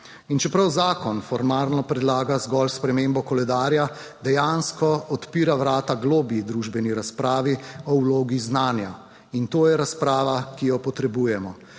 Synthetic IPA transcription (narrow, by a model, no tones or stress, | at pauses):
int͡ʃɛpɾawzaːkɔnfɔɾmaːlnɔpɾɛd̪laːɡazɡɔlspɾɛmembɔkɔlɛd̪aːɾjad̪ɛjanskɔɔt̪piːɾawɾaːt̪aɡloːbjid̪ɾuːʒbɛniɾaspɾaːʋiɔwloːɡiznaːnja | int̪oːjɛɾaspɾaːʋakijɔpɔt̪ɾɛbuːjɛmɔ